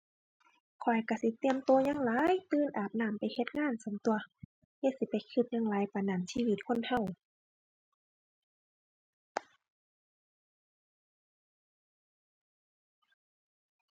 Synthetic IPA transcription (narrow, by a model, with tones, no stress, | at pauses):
kʰɔ˨˩jka˧˩si˧˦t̪i˧əmt̪oː˧ɲaː˧˨ŋlaː˨˦jt̪ɯː˧˨nʔaː˨˩p̚naː˧˩mpa˨jhe˧t̪̚ŋaː˧˥˨nso˧˦mt̪u˧ɐ | he˧˩si˧˦pa˨jkʰɯ˧p̪̚ɲaː˧˨ŋlaː˨˦jpa˧naː˨˩msiː˧˨i˧t̪̚kʰo˧˥˨nha˧˩w